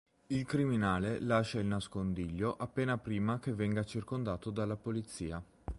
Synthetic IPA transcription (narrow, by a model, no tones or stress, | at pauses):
ilkɾiminaːlelaʃːailnaskond̪iʎːoʔapːeːnapɾiːmakevːɛŋɡat͡ʃirkond̪aːt̪od̪alːapolit̪sːiːa